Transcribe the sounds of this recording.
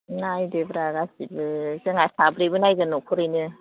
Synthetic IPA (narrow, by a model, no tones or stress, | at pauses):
najdebɾaɡasibɯzɯŋasabɾibɯnajɡɯnɔkʰɔɾɯjnɯ